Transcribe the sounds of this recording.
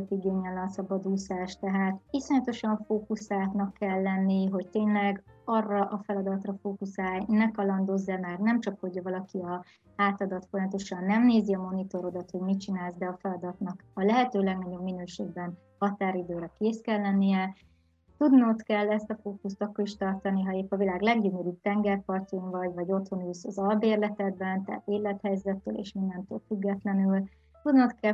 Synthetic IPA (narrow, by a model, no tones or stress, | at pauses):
t̪iɡeːɲɛlɒnsɒbɒd̪uːsaːʃt̪ɛɦaːt̪iso̞ɲɒt̪o̞ʃɒɱfoːkusaːt̪nɒkːɛlːɛnːiɦo̞ct̪eːnlɛɡɒrːɒʔɒfɛlɒd̪ɒt̪rɒfoːkusaːjnɛkɒlɒnd̪o̞zːamaːrnɛmt͡ʃɒkho̞ɟɒvɒlɒkiɒ | aːt̪ɒd̪ɒt̪fo̞jɒmɒt̪o̞ʃɒnːɛmneːziɒmo̞nit̪o̞ɾo̞d̪ɒt̪ho̞ɟmit͡ʃinaːlzd̪ɛɒfɛlɒd̪ɒt̪nɒkɒlɛɦɛt̪øːlɛɡnɒɟo̞bmːinøːʃeːɡbɛn | hɒt̪aːɾid̪øːɾɛkeːskɛlːɛnːijɛ | t̪ud̪not̪kɛlːɛst̪ɒfoːkust̪ɒkːoɾiʃt̪ɒrt̪ɒniɦɒeːpːɒvilaːɡlɛɡɟyɲøɾyːt̪ɛŋɡɛrpɒrtuŋvɒɟvɒɟo̞t̪ho̞nyːsɒzɒlbeːrlɛt̪ɛd̪bɛnt̪ɛ̰ːt̪eːlːɛt̪hɛjzɛt̪ːø̰ːlḛːʃmind̪ɛnt̪ø̰ːlfyɡːɛt̪lɛnyl | t̪ud̪not̪kɛ